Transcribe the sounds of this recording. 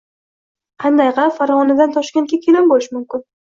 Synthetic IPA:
qʰɑnd̪ajqʰɑfaɾvɒnɪd̪ant̪ʰɒʃkʲaŋkʲakʲʰelɪmbolɪʃmʊmkʲɪn

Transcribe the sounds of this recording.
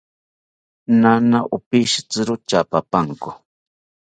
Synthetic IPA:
nanaʔʊpɪʃt͡sɨɾʊt͡ʃapapaŋkʊ̥

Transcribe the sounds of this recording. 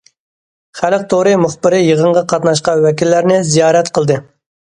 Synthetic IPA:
χælq̚t̪ʰoɾɨmʊχbɪɾɪjəʁəɴʁɑqʰɑt̪nɑʃqɑnwɛkʲilːæɾnɪzijɑːɾɛt̪qʰəlˠd̪ɨ

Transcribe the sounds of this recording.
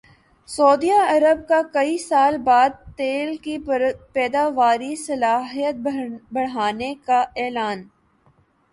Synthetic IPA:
soːd̪iaɐɾəb̚kakɐisaːlbaːd̪̚t̪eːlkipɛːd̪aːʋaːɾisɐlaːɦijət̪̚bɐɽ̤aːnekaʔɛːlaːn

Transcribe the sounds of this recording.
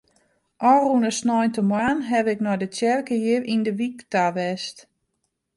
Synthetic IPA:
ʔɔrunəsnɔjntəmwaːnɦɛʋɪknɔjdətjɛrkəjɪrindəʋiktaʋɛst

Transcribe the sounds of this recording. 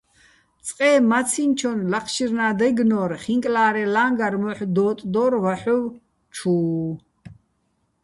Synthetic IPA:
t͡sʼqʼɛːmat͡sʰint͡ʃʰɔnlaqʰʃiɾnaːd̪ɛɡnɔːɾχiŋkʼlaːɾɛlaːŋɡaɾmɔħd̪ɔːt̪ʼd̪ɔːɾvaħuw | t͡ʃʰuː

